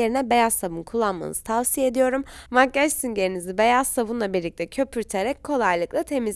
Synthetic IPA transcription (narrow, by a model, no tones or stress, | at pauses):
e̞ɾinɛbe̞jasːabunkʰulˠːanma̰nɯ̰z̥ɯ̥t̪ʰavsijee̞d̪ijo̞ɾumvaɛʃsiɲɟe̞ɾinizibe̞jasabunlˠabiɾlʲic̚t̪ʰɛcʰø̞pʰyɾt̪ʰe̞ɾɛckʰo̞lˠajlˠɯklˠat̪ʰe̞miz